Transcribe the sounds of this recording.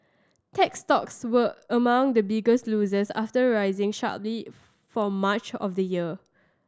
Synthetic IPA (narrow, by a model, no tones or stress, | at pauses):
tʰɛkstɔkswəəmãŋdəbiɡəsluzəsa̰ftəɹaɪzɪ̃ŋʃa̰pli | fɔmat͡ʃɔ̰fdəjiə